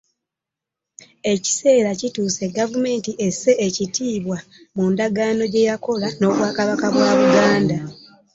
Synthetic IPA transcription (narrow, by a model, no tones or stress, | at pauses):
e̞ci̥se̞ːɾacituːse̞ɡavume̞ːntiʔe̞sːe̞ːcitʰiːβwa | mundaɡaːno̞ɟe̞jako̞lano̞ːβwaːkaβakaβwaːβuɡaːnda